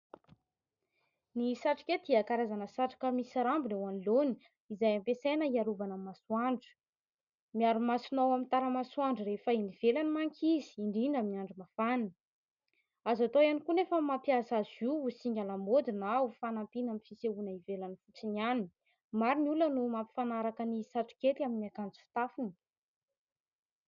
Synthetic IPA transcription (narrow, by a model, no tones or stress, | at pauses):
nisaʈ͡ʂi̥ket̪iakaɾazanəsaʈ͡ʂi̥kəmisaɾambinewanloni̥ | izajampesenəiaɾuvanamasuaɳɖ͡ʐə̥ | miaɾumasinawamint̪aɾəmasuaɳɖ͡ʐəɾefəiniv̥elanimaŋkʰʲizi̥iɳɖ͡ʐiɳɖ͡ʐamiiaɳɖ͡ʐimafani | azat̪ojanikunefəmapjazaziusiŋɡʲalamod̪inawufanampinamifiseunaivelanifut͡sinani | maɾinulənumampi̥fanaɾakənisaʈ͡ʂu̥ket̪iaminiakand͡zi̥fi̥t̪afuni